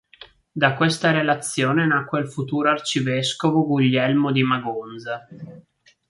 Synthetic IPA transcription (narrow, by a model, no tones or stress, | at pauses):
d̪akwest̪aɾelat̪sːjoːnenakːweilfut̪uːɾoart͡ʃiveskovoɡuʎːɛlmod̪imaɡond̪za